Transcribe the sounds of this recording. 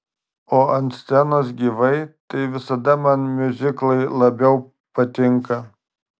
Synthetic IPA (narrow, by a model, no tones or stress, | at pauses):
oːʔɐnt̪sʲt̪ʲɛnoːs̬ɡʲiːʋɐɪt̪ɐɪʋʲɪsɐd̪ɐmɐnmʲʊzʲɪklˠɐɪlˠɐbʲɛʊ | pɐt̪ʲɪŋkɐ